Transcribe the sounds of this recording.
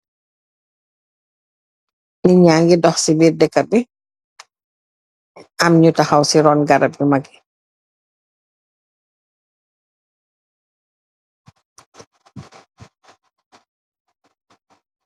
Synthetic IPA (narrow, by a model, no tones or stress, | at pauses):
niɲaːŋɡidɔxsibiːrdɛkːɐbi | ɐmɲutaxɐwsiɾɔːnɡɐɾɐp̚ɲumɐɡi